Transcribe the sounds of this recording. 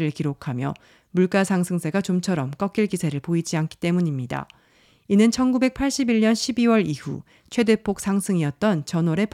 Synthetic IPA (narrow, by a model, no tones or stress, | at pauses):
ɾɯɭkiɾokʰamjʌ̰ | muɭk͈asʰaŋsʰɯŋsʰe̞ɡat͡ɕomt͡ɕʰʌɾʌmk͈ʌk͈iɭkisʰe̞ɾɯɭpoid͡ʑiankʰi̥t͈e̞muɲimɲida̰ | inɯnt͡ɕʰʌnɡube̞k̚pʰaɭɕ͈ibiɭɲʌnɕʰibiwʌɾihṵ | t͡ɕʰwe̞de̞pʰok̚s͈ʰaŋsʰɯŋiʌt̚t͈ʌnt͡ɕʌnoɾe̞p